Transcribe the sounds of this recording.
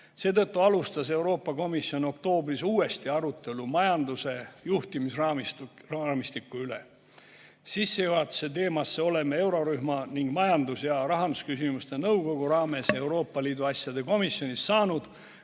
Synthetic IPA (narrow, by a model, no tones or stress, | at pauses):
seːt̪ɤ̞t̪ːuɑlust̪ɑse̞wɾo̞ːpːˑɑko̞misjo̞no̞kt̪o̞ːbrisuːe̞st̪iɑɾut̪ːˑe̞lumɑjɑnd̪use̞juht̪imisrɑmi | mist̪ikːˑuyle̞̰ | sisːejuɑt̪ːu̥se̞t̪e̞ːmɑsːe̞o̞le̞mee̞wɾo̞ɾyɦmɑniŋɡ̥mɑjɑnd̪usjɑɾɑɦɑnd̪uskysimust̪e̞nɤwɡo̞ɡ̥uɾɑːme̞se̞wɾo̞ːpˑːɑliːd̪uɑsʲjɑd̪e̞ko̞misjo̞nisːɑːnud̪̥